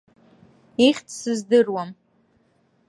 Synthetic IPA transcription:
iχʲtʰsɨzdɨrwam

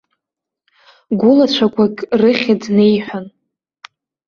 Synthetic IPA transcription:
ɡʷʊlat͡ɕʷʰakʷʰʼakʲʼrɨχʲadne̞jħʷᶣan

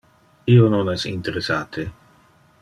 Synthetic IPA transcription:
iononɛsḭnt̪eɾesaːt̪ʰe

